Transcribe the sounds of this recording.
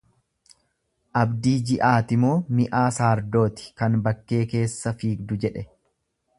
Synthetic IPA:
ʔɐbd̪iːd͡ʒɪʔaːt̪ɪmo̞ːmɪʔaːsaːɾd̪o̞ːt̪ɪ̥kɐnbɐkːe̞ːke̞ːsːɐfiːɡ̚d̪ʊd͡ʒɛᶑɛ

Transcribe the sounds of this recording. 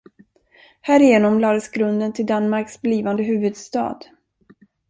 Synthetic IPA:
hæːɾɪjeːnɔmlɑːd̪əsɡɾɵnd̪ənt̪ʰɪld̪anmaɾksbliːvand̪əɦʉ̟ːvɵd̪st̪ɑ̰ːd̪

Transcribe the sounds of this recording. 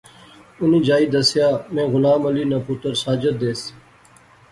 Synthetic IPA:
ʊnĩːd͡ʒaːiːd̪ɐsjaːmẽːɣʊlaːmɐliːnaːput̪əɾsaːd͡ʒət̪̚d̪eːs

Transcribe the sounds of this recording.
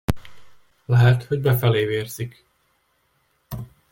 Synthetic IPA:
lɛɦɛt̪ho̞ɟbɛfɛleːveːrzik

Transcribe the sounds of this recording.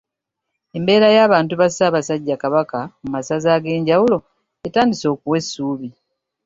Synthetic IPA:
e̞mbe̞ːɾajaːβaːntuβasaːβasaɟːakaβakamumasazaːɡe̞ːɲɟawulo̞ | etaːndiso̞ːkuwe̞sːuːβi

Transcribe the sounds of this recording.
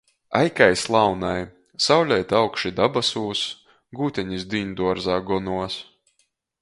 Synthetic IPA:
ajkajslˠawnaj | sawlʲɛjt̪awkʃid̪abasuːs | ɡuːt̪ʲɛɲisd̪ʲind̪uɔɾzaːɡɔnuɔs

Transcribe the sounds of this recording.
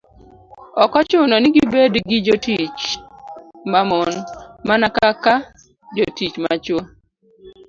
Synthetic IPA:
ɔkɔt͡ʃʊnɔnɪɡibediɡid͡ʒotit͡ʃ | mamonmanakaka | d͡ʒotit͡ʃma̰t͡ʃo

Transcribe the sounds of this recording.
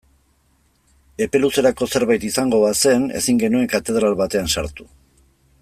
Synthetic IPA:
e̞pe̞luse̞ɾako̞se̞ɾβajt̪isaŋɡo̞βase̞ne̞̰siŋɡe̞nue̞ŋkat̪e̞ð̞ɾalβat̪e̞ansaɾt̪u̥

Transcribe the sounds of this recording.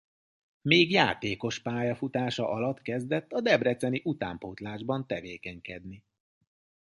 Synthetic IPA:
meːɡjaːt̪eːko̞ʃpaːjɒfut̪aːʃɒʔɒlɒt̪kɛzd̪ɛt̪ːɒd̪ɛbrɛt̪sɛniʔut̪a̰ːmpoːt̪laːʒbɒnt̪ɛveːkɛɲkɛd̪ni

